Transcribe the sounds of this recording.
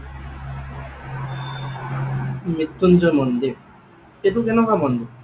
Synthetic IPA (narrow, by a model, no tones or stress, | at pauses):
mit̪ːund͡ʒɔmɔnd̪i | etukɛnɔkamɔnd̪i